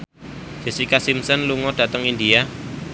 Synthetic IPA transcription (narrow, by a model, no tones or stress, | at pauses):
d͡ʒ̥ɛ̤sikasimsənluŋɔɖ̥ä̤t̪əŋindia